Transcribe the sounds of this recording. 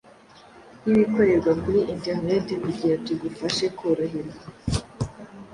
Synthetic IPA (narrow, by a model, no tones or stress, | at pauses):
niβikoɾeɾɡwakuɾiʔinteʁnetemuɟijatuɡufaʃekʰoɾaɦiɾɡa